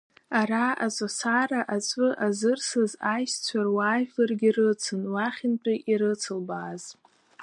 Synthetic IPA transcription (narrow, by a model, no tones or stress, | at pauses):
aɾaazʼosaraʔat͡sʷʼɨʔazɨrsɨzajst͡sʷʰarwaːvlarɡʲirɨt͡sʰɨnwaχʲɪnt͡pʷʼiʔiɾɨt͡sʰɨlbaːz̥